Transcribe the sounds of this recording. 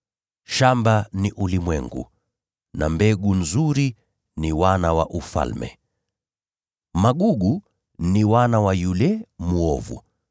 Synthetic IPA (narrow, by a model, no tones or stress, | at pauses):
ʃambaniʔulimwɛŋɡṵ | nambɛɡunzuɾi | niwanawaʔufa̰lmɛ̰ | maɠuɡu | niwanawajulɛmuɔvṵ